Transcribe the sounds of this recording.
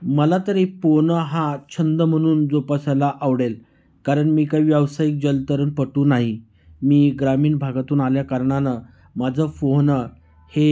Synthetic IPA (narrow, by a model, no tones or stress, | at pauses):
məlat̪əɾiponəɦãt͡ɕʰənd̪əm̤əɽ̃uːnd͡zopasalaʔaʋɽel | kaɾəɳmiːkaiʋjaʋsajiːk̚d͡ʑəlt̪əɾənpəʈuːnaɦi | miːɡɾamiːɳbʱaɡat̪uːnaljakəɾɳanə | məd͡zʱəfoɦnə | he